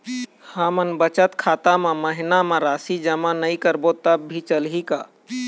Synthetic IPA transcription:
həmənbət͡ʃət̪kʰaːt̪amẽməɦɪnamẽɾaːsid͡ʒəmanəikəɾbot̪əbbʱit͡ʃəlɦika̰

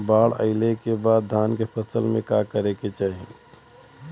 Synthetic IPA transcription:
baːɭə̰ɪlekebaːd̪ːʱaːnkepʰəsəlmẽkaːkəɾeket͡ʃaːɦie

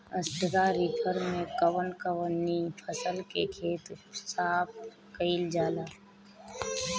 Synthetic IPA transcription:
əsʈɾaɾipʰəɾmẽkəwənkəwənːipʰəsəlkḛkʰeːt̪saːp̚ | kəɪld͡ʒaːlaː

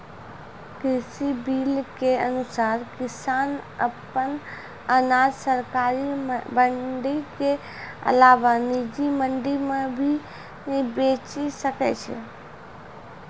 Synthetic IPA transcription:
kɾɪsibilkeənusaːɾkɪsaːnəpən | ənad͡ʒsəɾkaːɾibəɳɖike | ə̰laʋanid͡ʒiməɳɖimẽbʱi | ibet͡ʃisəkɛ̰t͡ʃʰɛ̰

